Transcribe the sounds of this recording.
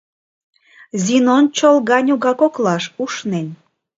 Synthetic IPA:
zinont͡ɕolɣɑnʲuɣɑkoklɑʃuʃnen

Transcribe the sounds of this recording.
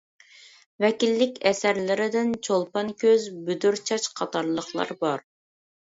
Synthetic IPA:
vɛkʲilːɪkʲɛsæɾlɪɾɪd̪ɪnt͡ʃʰolˠpɑnkʲʰøzbyd̪yɾt͡ʃʰɑt͡ʃqʰɑt̪ʰɑɾlˠəχlˠɑ̰ɾbɑɾ

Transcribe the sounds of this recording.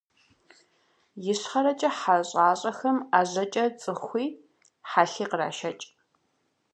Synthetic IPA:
jɪɕχɐɾɐt͡ʃʼɐħaɕʼaːɕʼɐxɐmaːʑɐt͡ʃʼɐt͡sʼɨxʷiː | ħaːɬiːqəra̰ːʃɐt͡ʃʼ

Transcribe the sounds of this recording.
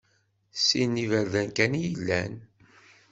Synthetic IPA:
sinːivəɾðænkænijəlːæ̰n

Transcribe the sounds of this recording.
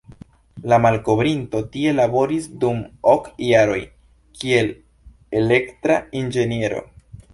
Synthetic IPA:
lamalko̞bɾinto̞tie̞labo̞ɾisdumo̞kjaɾo̞̰j | kie̞l | e̞le̞ktɾaind͡ʒe̞nie̞ɾo̞̰

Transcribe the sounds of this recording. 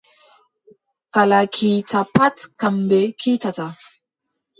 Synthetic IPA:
kalakʰit͡sapatkambekʰit͡sata

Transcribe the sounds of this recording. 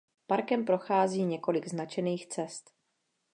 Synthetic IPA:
paɾkɛmpɾo̞xaːziːɲɛko̞lɪɡznat͡ʃɛniːxt͡sɛst̪

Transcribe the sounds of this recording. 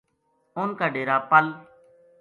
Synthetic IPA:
onkaːɖeːɾaːpəl

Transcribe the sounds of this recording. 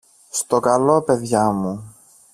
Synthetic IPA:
st̪o̞kɐlo̞pe̞ðʝɐmu

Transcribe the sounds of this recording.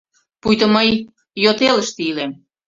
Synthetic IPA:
pujt̪əməj | jot̪eləʃt̪ilem

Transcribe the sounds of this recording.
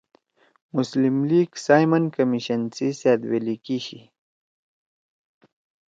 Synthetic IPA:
muslimliːɡsaːjmɐnkɐmiɕɐnsiseːd̪welikiɕi

